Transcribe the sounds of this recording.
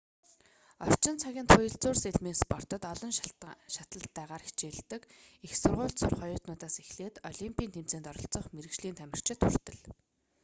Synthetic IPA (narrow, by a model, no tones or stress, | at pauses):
ɔr̥t͡ɕɪ̆nt͡sʰaɣʲiːnt̪ʰʊjə̆ɮt͡sʊːrseɮmiːnspɔr̥t̪ɞ̆t̪ɔɮɞ̆nʃat̪ə̆ɬt̪ːæːʁaːɾixʰt͡ɕeːɮt̪ɘ̆kixsʊrʁʊːɬt̪sʊrχɔjʊːt̪nʊːt̪aːsexɮeːt̪ɔɮʲimpʰʲiːnt̪ʰem̥t͡seːnt̪ɔɾɞ̆ɬt͡sɞ̆χmeɾɘ̆kt͡ɕɮiːnt̪ʰæmʲɪ̆r̥t͡ɕɪ̆t̪ʰːur̥t̪ɘ̆ɮ